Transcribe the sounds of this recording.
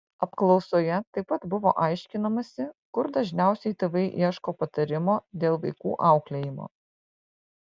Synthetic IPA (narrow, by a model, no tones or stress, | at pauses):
ɐpklˠɒʊsoːjɛt̪ɐɪpɐt̪bʊʋo̰ːʔɑɪʃʲkʲɪnɐmɐsʲɪkʊɾd̪ɐʒʲnʲæˑʊsʲɛɪt̪ʲeːʋɐɪʔiɛʃkoːpɐt̪ɐɾʲɪmoːd̪ʲeːlˠʋɐɪkuːʔɑˑʊklʲejɪmo̰ː